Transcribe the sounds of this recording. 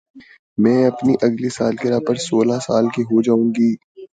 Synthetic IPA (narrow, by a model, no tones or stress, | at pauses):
mɛ̃ːɐpniʔɐɡlisaːlkeɾaːpəɾsoːlasaːlkiɦod͡ʒaːũːɡiː